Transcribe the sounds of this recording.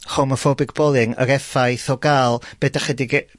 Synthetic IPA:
χɔmɔfɔbɪɡbɔlˠɪŋə̰ɾɛfajθɔɡaːlˠb̥ɛdaχɛdɪɡ

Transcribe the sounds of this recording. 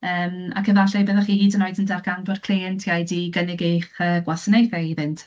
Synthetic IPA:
əːma̰kʰəðaɬɛbəðaχiːhiːdənɔɨdəndarɡ̥ʰandɔrkʰliɛntʰjajdiɡənɪɡejχəːɡwasənejθɛivɪnt

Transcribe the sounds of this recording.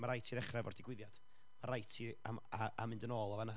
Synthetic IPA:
maɾajtʰiðɛχrɛvɔ̰rd̥ɪɡwɪðjad̥ | maɾajtʰiaaamɪndənoːlˠavana

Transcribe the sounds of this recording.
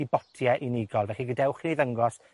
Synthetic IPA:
ibɔtʰjɛʔiniɡɔlˠvɛɬiɡədɛwχiniðəŋɡɔs

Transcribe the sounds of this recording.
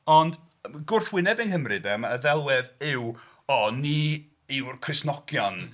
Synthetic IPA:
ɔnd | ɡʊrθwɪnɛbɪnhəmrɨdɛmaəðɛlˠwɛðɪw | ɔni | ɪwrkʰrɨsnɔɡ̥jɔn

